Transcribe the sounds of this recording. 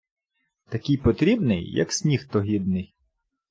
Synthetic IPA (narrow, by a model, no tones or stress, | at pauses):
t̪ɐkʲɪjpɔt̪ɾʲibnɪ̰jːɐ̰ksʲnʲixt̪ɔɦʲid̪nɪj